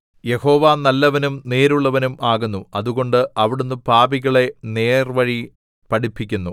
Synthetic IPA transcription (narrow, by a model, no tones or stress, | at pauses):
je̞ho̞ːʋaːnɐlːɐʋɐnumne̞ːɾuɭːɐʋɐnumaːɣunːuɐðuɣo̞ɳɖɨʔɐʋiɽunːɨpaːbiɣɐɭe̞ne̞ːrʋɐɻi | pɐɽipːikʲːunːu